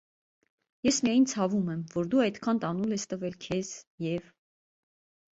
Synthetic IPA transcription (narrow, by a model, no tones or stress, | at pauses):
jɛsmijɑjint͡sʰɑvumɛmvɔɾd̪uɑjt̪kʰɑnt̪ɑnulɛst̪əvɛlkʰɛz̥jɛv